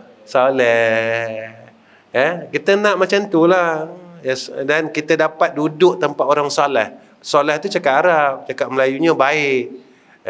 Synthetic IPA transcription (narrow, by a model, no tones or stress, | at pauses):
solɛ | əkit̪ənãʔmat͡ʃamt̪ulahjadankit̪ədapat̪̚dudʊʔt̪əmpaʔ̪oɾaŋsalɛh | solɛht̪ut͡ʃakapaɾap̚t͡ʃakaʔ̚məlajuɲəbaɪʔ